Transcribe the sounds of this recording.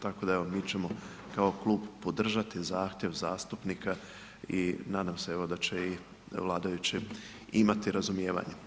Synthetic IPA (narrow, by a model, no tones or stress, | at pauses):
t̪ako̞d̪aeʋo̞miːt͡ɕe̞mo̞ | kao̞klˠuːbpo̞d̪r̩ʒat̪izaːxt̪jeʋzaːst̪upnika | inaːd̪amseeʋo̞d̪at͡ɕei | ʋlˠaːd̪ajut͡ɕi | imat̪iɾazumjeːʋa̰ɲe